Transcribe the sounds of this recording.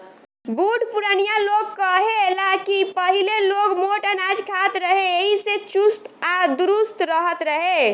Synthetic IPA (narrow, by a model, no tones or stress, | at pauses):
buʈpuɾənijalokːəɦelakipəɦilelokmoʈənad͡ʒkʰat̪ɾəɦeeɦiset͡ʃust̪ad̪uɾust̪ɾəɦət̪ɾəɦe